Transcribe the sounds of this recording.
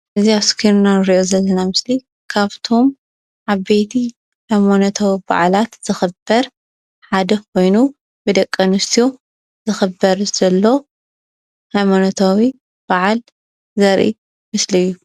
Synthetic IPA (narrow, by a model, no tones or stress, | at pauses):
ʔɨziaskʰiɾnanɨɾiʔozɐlːɐnamɨsli | kʰaβt̪ʰo̞m | ʕaβet̪ʰi | hajmanɐt̪ʰawiba̰ʕlat̪z̥ɨxɨbːɐɾ | ħad̪ɐkʰo̞jnu | bɨd̪ɐkʼːɐnɨst̪ʰijo | z̥ɨxɨbːɐɾz̥ɐlːo | hajmanɐt̪ʰawi | b̥aʕal | zɐɾʔḭ | mɨslɨjːu